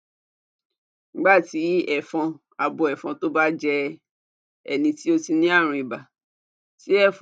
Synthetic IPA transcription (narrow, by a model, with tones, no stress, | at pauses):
ɡ͡ba˦˨ti˨˦ɛ˦˨fɔ̃˧ | a˧bɔ˧˨ɛ˨fɔ̃˧to˦ba˦d͡ʒɛ˧ | ɛ̰˨nĩ˧ti˦o˧ti˧nĩ˦a˦˨ɾ̃ĩ˧i˨ba˨ | ti˨˦ɛ˦˨f